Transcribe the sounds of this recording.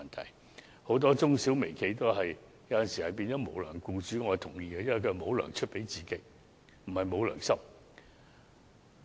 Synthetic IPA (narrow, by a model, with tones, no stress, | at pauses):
ɐ˨nt̪ʰɐ̰˨˩j | ho˨˥wt̪ɔː˥t͡sʊ˥ŋsi˨˥wme˨˩jkʰe˧˥jt̪o˥wɦɐ˨j | jɐ˧˥wɐ˨nsiː˨hɐ˨jpiː˧nt͡ɕɔː˨˥mo̰˨˧wlœ̰ː˨˩ŋkuː˧t͡ʃyː˨˥ŋɔː˨˧ɐ˨˩t̪ʰʊ̰˨˩ŋjiː˧ɡɐ˧jɐ˥nwɐ˨˩kʰɵ˧˨˩mo˨˧wlœ̰ː˨˩ŋt͡ʃʰɵ˥t̚pe˨˥jt͡siː˨kɪ˨˥k̚ | m̩˨˩hɐ˨jmo˨˧wlœ̰ː˨˩ŋsɐ˥m